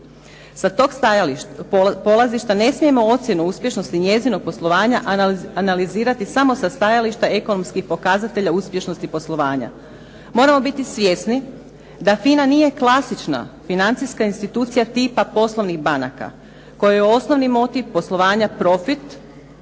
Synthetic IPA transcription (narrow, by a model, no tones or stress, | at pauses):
sat̪o̞ːɡ | po̞lˠaziʃt̪ane̞smije̞mo̞ot̪sʲjenuuspje̞ʃno̞st̪iɲe̞zino̞ɡ̚po̞slˠo̞ʋaːɲaʔanaliziːɾat̪isamo̞sast̪ajaliʃt̪ae̞ko̞no̞mskixpo̞kazat̪e̞ʎauspje̞ʃno̞st̪ipo̞slˠo̞ʋaːɲa̰ | mo̞ɾamo̞bit̪isʋje̞sni | d̪afinanije̞klˠasit͡ʃna̰finant̪siskainst̪it̪uːt̪sijat̪iːpapo̞slˠo̞ʋniɣbana̰ka̰ | ko̞jijeo̞sno̞ʋnimo̞t̪iʋpo̞slˠo̞ʋaːɲapɾo̞fit̪